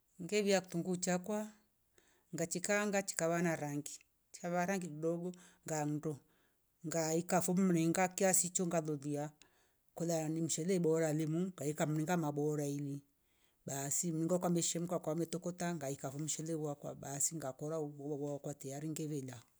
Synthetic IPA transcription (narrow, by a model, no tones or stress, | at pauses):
ŋɡɛβiaku̥tuŋɡut͡ʃakwa | ŋɡat͡ʃikaŋɡat͡ʃi̥kaβanaɾaŋɡi | t͡ʃi̥kaβaɾaŋɡikidɔɡɔŋɡan̩dɔ | ŋɡaikafɔm̩ɾiŋɡakiasit͡ʃɔŋɡalɔðia | kɔlanim̩ʃɛlɛɓɔɾalimuŋŋɡaikam̩ɾiŋɡamaɓɔɾaini | ɓasim̩niŋɡakwamɛʃɛm̩kakamɛtɔkɔtaŋɡaikafɔm̩ʃɛlɛwakwa̰ɓasiŋɡakɔɾawakwatɛjaɾiŋɡɛβɛlaɔ